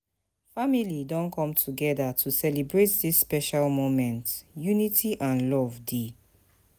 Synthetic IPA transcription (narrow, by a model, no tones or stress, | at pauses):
familidɔ̃nkʰɔ̃mtʰuɡɛðatʰusɛlibɹetðisːpɛʃalmomɛ̃ntjunitʰiʔãnlɔvde